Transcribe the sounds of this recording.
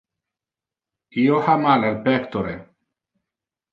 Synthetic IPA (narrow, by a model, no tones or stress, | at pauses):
iohamalelpɛkt̪oɾe